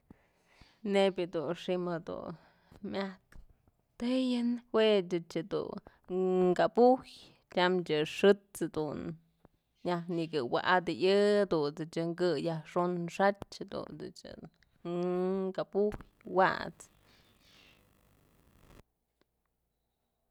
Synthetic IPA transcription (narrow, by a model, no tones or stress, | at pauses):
nebʲɨd̪unʂimad̪ṵ | mʲat̪̚ | t̪ejɨnwet͡ʃɨt͡ʃɨd̪ṵ | ŋkapuj | t͡ʃʲamt͡ʃʲɨʂɨt͡sad̪un | jahnikɨwa̰ʔad̪ɨʔɨad̪unt͡sɨt͡ʃɨŋkɨjahʂonʂat͡ʃhad̪ṵnt͡sɨ̰t͡ʃɨ̰ | kapuj | wa̰t͡s